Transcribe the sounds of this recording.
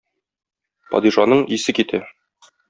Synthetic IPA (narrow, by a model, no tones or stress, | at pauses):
pɒ̰d̪iʃɑnɤɴisɘkit̪æ